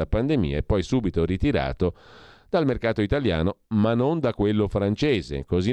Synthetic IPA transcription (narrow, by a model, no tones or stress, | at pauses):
apand̪emḭːaepːɔjsuːbit̪oɾit̪iɾa̰ːt̪od̪̥almerkaːt̪oit̪alja̰ːnomanːond̪akwelːofɾant͡ʃeːzḛkozi